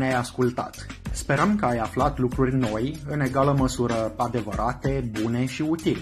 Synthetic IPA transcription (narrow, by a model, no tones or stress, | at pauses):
najaskult̪a̰t̪spe̞ɾəmkəajaflat̪lukɾurʲno̞jɨne̞ɡaləməsuɾəad̪e̞vəɾʔat̪e̞bune̞ʃiut̪ile